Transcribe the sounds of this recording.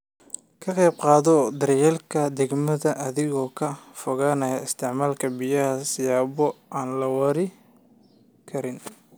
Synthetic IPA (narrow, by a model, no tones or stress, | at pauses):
kʰɐqɛːb̚qɑːðɔd̪ɐɾjɛlkʰɐd̪ɛɡmɐðɐʔɐðɪɣɔːkʰɐfʊɣaːnɐjɪst̪ʰɪʕmaːlkʰɐbɪjɐhɐsɪjaːβɔʔaːnlɐwɑɾɪ | kʰɐɾɪn